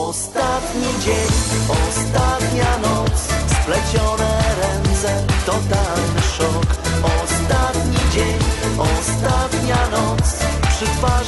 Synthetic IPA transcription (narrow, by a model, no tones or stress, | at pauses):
ɔst̪at̪ɲid͡ʑeɲɔst̪at̪ɲanɔt̪ssplɛt͡ɕɔnɛɾɛnt̪sɛt̪ɔt̪alnɘʂɔkɔst̪at̪ɲid͡ʑeɲɔst̪at̪ɲanɔt̪spʂɨt̪va